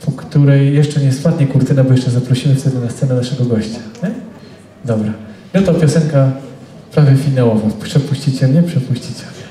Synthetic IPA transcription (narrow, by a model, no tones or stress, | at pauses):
pʰɔkt̪uɾɛjːɛʂt͡ʂɛɲɛspwat̪ɲɛkuɾt̪ɘnabɔjɛʂt͡ʂɛzapɾɔɕimɘft̪ɛd̪ɔnast̪sɛnɛnaʂɛɡɔɡɔɕt͡ɕḁɲɛ | d̪ɔbɾanɛt̪ɔpʲjɔsɛŋka | pɾavʲjɛfʲinawɔvapʂɛpuɕt͡ɕit͡ɕɛlɲɛpʂɛpuɕt͡ɕit͡ɕɛlɲɛ